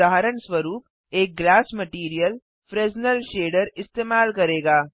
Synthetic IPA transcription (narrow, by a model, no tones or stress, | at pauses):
aːɦɾəɳswʋəɾuːp̚ | eːk̚ɡlaːsmɐʈiːɾijəl | fɾeːznəlʃeːɖəɾɪst̪eːmaːlkɐɾeːɡaː